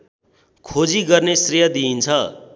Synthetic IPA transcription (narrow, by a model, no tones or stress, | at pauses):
kʰod͡ziɡʌrnesrijʌd̪iːnt͡sʰʌ